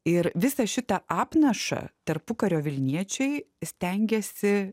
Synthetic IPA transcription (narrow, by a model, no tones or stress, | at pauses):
ɪɾʋʲɪsɐʃʲɪt̪ɐʔɑːpnɐʃɐ̰t̪ɐɾpʊkɐɾʲoːʋʲɪlʲnʲiɛt͡ʃʲɛɪsʲt̪ʲɛŋʲɡʲɛsʲɪ